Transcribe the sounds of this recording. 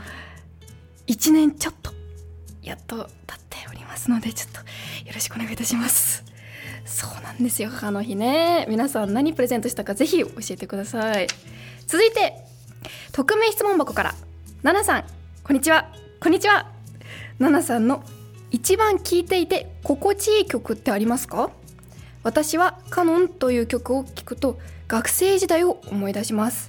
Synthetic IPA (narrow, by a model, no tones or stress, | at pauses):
it͡ɕinẽ̞ɲt͡ɕo̞t̪ːo̥jat̪ːo̞t̪ḁt̪ʰːe̞̥oɾʲimasɨno̞d̪e̞t͡ɕo̥t̪ːo̥jo̞ɾo̞ɕi̥kɯone̞ɡait̪aɕimasɨ̥ | so̥ːnãnd̪e̞sɨjo̞hahanːo̞çine̞mʲinasãnnaɲ̟ip̟ɾe̞zẽ̞nt̪o̞ɕi̥t̪akaze̞çio̞ɕie̞t̪ekɯ̟d̪asai | t͡sɨzɨit̪e̞ | t̪o̞kɯ̟me̞ːçi̥t͡sɨmo̞mbako̞kaɾa̰ | nanasãŋ | kõɲ̟ːit͡ɕiβa | ko̞ɲ̟ːit͡ɕiβa | nanasãnːo̞ | it͡ɕibãŋkʲiːt̪e̞it̪e̞ko̞ko̞t͡ɕiːkʲo̞kɯ̟t̪ːe̞aɾʲimasɨ̥ka | β̞at̪aɕiβakanõ̞nt̪o̞jɯ̟ːkʲo̞kɯ̟o̞kʲi̥kɯ̟̥t̪o̞ɡ̥akɯ̟̥se̞ːʑid̪aio̞omo̞id̪aɕimasɨ̥